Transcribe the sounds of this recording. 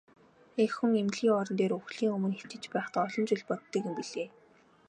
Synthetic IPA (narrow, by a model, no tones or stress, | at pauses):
exuŋemɮɣiːŋɔɾɞ̆nt̪eːɾɵxɮiːŋɵmɵ̆nxe̥t͡ɕɘ̆t͡ɕpæːχt̪ːɔɮɞ̆nt͡ɕʊɮʲpɔt̪ːĭkɘ̆mpiɮeː